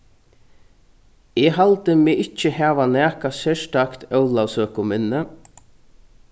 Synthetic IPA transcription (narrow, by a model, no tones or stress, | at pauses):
ɛːɦalt̪əmeːɪt͡ʃːəhɛːʋanɛːkasɛʃt̪akt̪œwlawsøːkʊmɪnːə